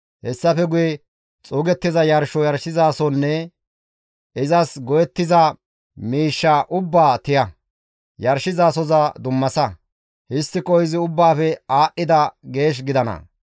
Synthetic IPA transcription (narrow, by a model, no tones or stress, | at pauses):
hɛsːɐfɛɡʊjɛ | t͡sʼʊːɡɛt̪ːɪzɐjɐɾʃɔjɐɾʃɪzaːsɔnːɛ | ɪzɐsɡɔjɛt̪ːɪzɐ | miːʃːaʔʊbːaːt̪ɪjɐ | jɐɾʃɪzaːsɔzɐd̪ʊmːɐsɐ | hɪst̪ːɪkʼɔjzɪʊbːaːfɛaːʔːɪd̪ɐɡe̞ːʃ̬ɡɪd̪ɐnɐ̰